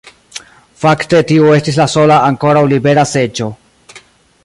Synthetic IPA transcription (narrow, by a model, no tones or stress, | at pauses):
fakte̞tioe̞stis̬laso̞laːŋko̞ɾawlibe̞ɾase̞d͡ʒo̞